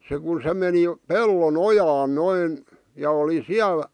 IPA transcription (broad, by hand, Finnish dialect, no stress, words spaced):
se ku se meni pelːon ojɑːn noin jɑ oli siæl